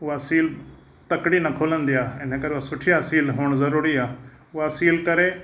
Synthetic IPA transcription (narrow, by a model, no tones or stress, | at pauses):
ʊɦasiːl | t̪ɐkɽinɐkʰoːlə̃nd̪ijaːɪn̤əkɐɾeʊɦasʊʈʰijasiːlɦuːɽ̃zɐɾuːɾiaː | ʊɦasiːlkɐɾe